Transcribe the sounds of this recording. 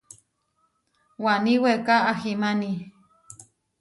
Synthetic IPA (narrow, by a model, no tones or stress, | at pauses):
waniwekaːximani